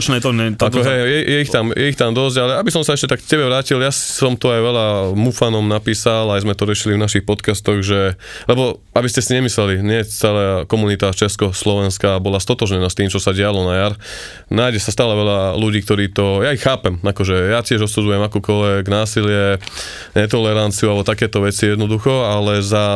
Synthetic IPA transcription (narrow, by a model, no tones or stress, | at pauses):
t͡ʃnɛt̪ɔɲɛaɔɦɛjjɛjɛixt̪amjɛit̪amd̪ɔzɟalɛabisɔmsaɛʃcɛt̪akkcɛbɛʋɾaːciljasɔmt̪ɔajʋɛʎamufanɔmnapiːsalajzmɛt̪ɔɾɪɛʃilivnaʃixpɔt̪kast̪ɔɣʒɛ | lɛbɔ | abiscɛsiɲɛmislɛliɲɪɛt͡sɛlakɔmunit̪at͡ʃɛskɔslɔʋɛnskaːbɔlast̪ɔt̪ɔʒɲɛnast̪iːmt͡ʃɔsaɟɛalɔnajaɾ | naːjɟɛsast̪aːlɛʋɛʎaluɟiːk̚t̪ɔɾiːt̪ɔjaixːaːpɛmakɔʒɛjacɪɛʒɔsud͡zujɛmakuːkɔlʋɛɡnaːsilɪɛ | ɲɛt̪̬ɔlɛɾant͡siualbɔt̪akɛːt̪ɔʋɛt͡sijɛd̪nɔd̪uxɔalɛza